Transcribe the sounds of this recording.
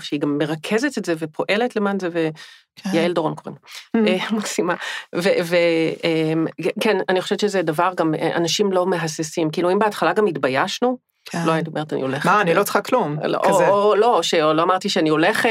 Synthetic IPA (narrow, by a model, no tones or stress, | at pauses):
fʃeiɡamːe̞ʁakʰezetetzevepʰo̞ʔe̞letlemanzeve | jaeldoʁonkoʁḭmemaksimaveveemkenaniχoʃevett͡ʃʃezedavaʁɡamḛʔa̰naʃimlo̞me̞ɦasesimkiiːluimbeatχalaɡamitbajaʃnu | loajantiomeʁet̪anḭoleχaːnilot͡sχaklumo̰ʔoolo̞oʃeoloamaʁt̪iʃeanio̞leχ